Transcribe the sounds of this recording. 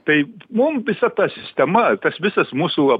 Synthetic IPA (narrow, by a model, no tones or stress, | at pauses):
t̪ɐɪmʊmʋʲɪsɐt̪ɑːsʲɪsʲt̪ʲɛmɐt̪ɐsʋʲɪsɐsmuːsuɐ